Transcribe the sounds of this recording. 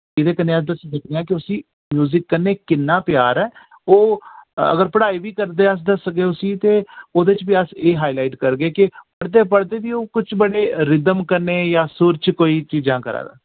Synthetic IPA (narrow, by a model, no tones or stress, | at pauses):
ɪd̪eːkəneːəsd̪əsd̪ɪkʰd̪ejãːkɪʊsĩː | mjuːzɪkːənːeːkɪnːãːpjaːɾɛː | oːə̰ɡəɾpəɽaːiːʋiːkəɾd̪eːəs̬d̪əsɡeːʊsĩːt̪eːoːd̪et͡ʃbiːəseːɦaːilaːɪʈkəɾɡeːkɪpəɽd̪eːp̬əɽd̪eːʋiːoːkʊt͡ʃbəɽeːɾɪd̪əmkəɾneːjaːsʊɾt͡ʃkoːiːt͡ʃiːd͡ʒãːkəɾa̰ːd̪a̰ː